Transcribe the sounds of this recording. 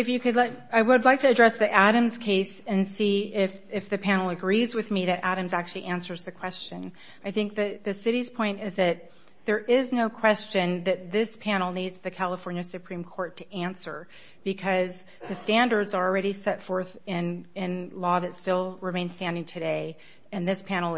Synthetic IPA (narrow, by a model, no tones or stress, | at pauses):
ɨfjɨkɨdˡlaaɪwədˡlaɪk̚tʰɨːdɹɛsðiʔæɾɨ̃mz̥kʰeɪsɨ̃nsiɪfɪfðɨpʰænl̩ˠəɡɹizwɨðmiðɨɾʔæɾɨ̃mzæk̚t͡ʃʉl̩ˠiʔæ̃nsə˞zðɨkʰw̥ɛst͡ʃɨ̃n | aɪθɪ̃ŋk̚ðɨðɨsɪɾiz̥pʰɔ̃ɪ̃ntɪzðɨt̪̚ | ðə˞ʔɪznoʊkʰw̥ɛst͡ʃɨ̃nðɨt̪̚ðɪspʰænl̩ˠnidz̥ðɨkʰælˠəfɔɹnjɨsɨpʰɹ̥ĩmkʰɔɹtʰɨʔæ̃nsə˞ | b̥ɨkʰʌz | ðɨstæ̃ndə˞dzə˞l̩ˠɹɛɾisɛtfɔɹθɪ̃nɪ̃nlɔðɨtstɪlˠɹɨmẽɪ̃n̥stæ̃ndɪ̃ŋtʰɨɾeɪ | ɨ̃nðɪspʰæñl̩ˠ